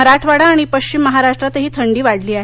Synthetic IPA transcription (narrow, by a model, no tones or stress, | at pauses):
əɾaʈʰʋaɽaːɽ̃ipəɕt͡ɕimːəɦaɾaʂʈɾat̪əɦiːt̪ʰəɳɖiːʋaɽliːaɦ